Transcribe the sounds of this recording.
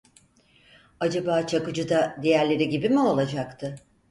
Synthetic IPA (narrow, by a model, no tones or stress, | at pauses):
ad͡ʒabaːt͡ʃʰakɯd͡ʒɯd̪ad̪ejæɾlʲe̞ɾiɟibimuo̞lˠad͡ʒakt̪ʰɯ